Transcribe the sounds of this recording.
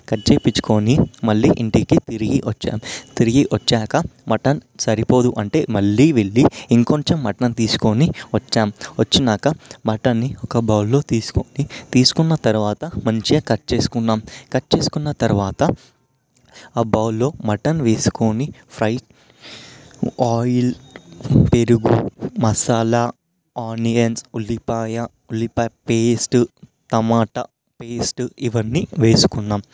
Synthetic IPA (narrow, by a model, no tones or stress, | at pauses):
kɐʈt͡ʃeːpit͡ʃːu̥koːnimɐɭːiːʔiɳʈikit̪iɾiɡiʋɐt͡ʃːa̰ːmt̪iɾiɡiʔʋɐt͡ʃːaːkɐmɐʈɐnsɐɾipo̞ːd̪uʔɐɳʈe̞̰ːmɐɭːiːʋeɭːiiŋkoɲt͡ʃɐmːɐʈɐnt̪iːsu̥ko̞niʋɐt͡ʃːaːmʋɐt͡ʃːinaːkɐmɐʈɐnːiɔkɐbɐwlːo̞ːt̪iːsu̥konit̪iːsu̥kunːɐt̪ɐɾuʋaːt̪ɐmɐɲt͡ʃieːkɐʈːt͡ʃe̞ːsu̥kunːaːmkɐʈːt͡ʃe̞ːsu̥kunːɐt̪ɐɾuʋaːt̪ɐ | aːbɐwlo̞ːmɐʈɐnʋe̞ːsu̥ko̞nipʰɾɐjʈ̚ | aːjl | pe̞ɾuɡumɐsaːlaː | aːniɐnsulːipaːjɐ | ulːipaːjpeːsʈt̪ɐmaːʈɐ | peːsʈiʋɐnːiʋe̞ːsu̥kunːaːm